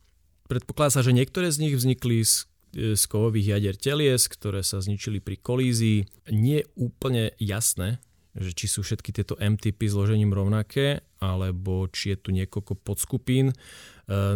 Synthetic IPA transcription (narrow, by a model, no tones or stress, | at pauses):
pɾɛt̪̚pɔ̥klad̪aːsaʒɛɲɪɛk̚t̪ɔɾɛːzɲiɣvzɲiklis | skɔʋɔʋiːɣjaɟɛɾcɛlɪɛskt̪ɔɾɛːsazɲit͡ʃilipɾikɔliːziiː | ɲɪɛjɛuːpl̩ɲɛjasnɛː | ʒɛt͡ʃisuːfʃɛt̪kit̪ɪɛt̪ɔʔɛmt̪ipizlɔʒɛɲiːmɾɔʊnakʰɛː | alɛbɔt͡ʃijɛt̪uɲɪɛkɔlkɔpɔt̪skupiːn